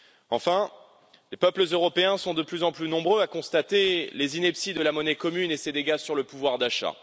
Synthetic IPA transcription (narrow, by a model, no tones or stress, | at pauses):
ɑ̰̃fɛ̃ | lepœpləzøʁɔpeɛ̃sɔ̃d̪əplyzɑ̃plynɔ̃bʁøakɔ̃st̪at̪elezinɛpsid̪əlamɔnɛkɔmynesed̪eɡasyʁləpuvwaʁd̪aʃa̰